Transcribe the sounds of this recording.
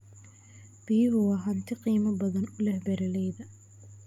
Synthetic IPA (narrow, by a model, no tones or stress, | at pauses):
b̥ijɦʊwɑːɦɐnt̪ʰɪqiːmɐbɐðɐnʊlɛhbɛɾɐlɛjðɐ